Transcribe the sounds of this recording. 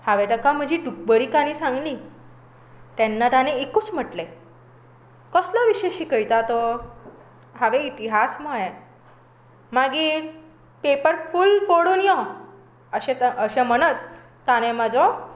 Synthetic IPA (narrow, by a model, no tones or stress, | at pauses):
haʋet̪əkam̤əd͡ʑʱiɖuk̚bəɾikanisãŋɡli | t̪ɛnːat̪aneikuːt͡sm̤əʈle | kəslɔʋiɕeɕiːkəjt̪at̪ɔ | ɦaʋeit̪iɦasmaje | maɡiːɾ | pepəɾfulfoɽunijɔ | əɕẽəɕẽməñət͡s | t̪ːanẽmad͡zɔ